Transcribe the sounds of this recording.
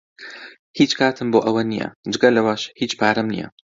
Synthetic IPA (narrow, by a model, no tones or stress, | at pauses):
hiːt͡ʃkʰaːt̪ʰɨmboːʔɐwɐnḭjɐ̰d͡ʒɨɡɐlɐwaːʃhiːt͡ʃpʰaːɾɐmnḭjɐ̰